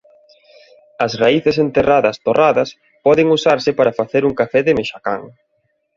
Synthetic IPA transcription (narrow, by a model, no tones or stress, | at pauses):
ɐsraiθɪs̬ent̪eraðɐst̪oraðɐs | pɔðɪŋusaɾsɪpaɾɐfaθeɾuŋkafɛðɪmeʃaka̰ŋ